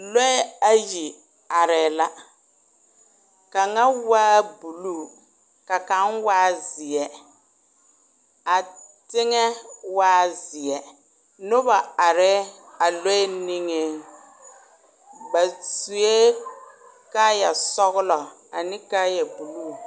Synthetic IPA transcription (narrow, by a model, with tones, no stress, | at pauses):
lɔ˦a˨ji˨ | a˨ɾɛː˨la˦ | ka˨ŋa˦waː˦bu˨lu˦˨ | ka˨ka˨˦nwaː˦zɪ˨ɛ˨ | a˨tɪ˦ŋɛ˦waː˦zɪ˨ɛ˨ | nʊ˦ba˨a˨ɾɛ˦ | a˨lɔ˦ɛ˦ni˦ŋe˦ | ba˨su˨e˦ | ka˦ja˨sɔ˦ɣʊ˦lɔ˨ | a˨nɪ˦ka˦ja˨bu˨luː˦˨